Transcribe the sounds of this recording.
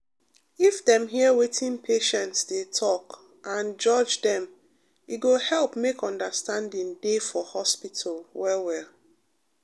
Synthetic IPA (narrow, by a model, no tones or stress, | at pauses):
ifdɛ̃mɦiəwetʰĩnpʰeʃɛ̃ntsdetʰɔk | ʔãnd͡ʒɔd͡ʒdɛ̃m | iɡohɛlˠpmekɔ̃ndəstãndĩŋdefɔhɔspitʰalwɛwɛl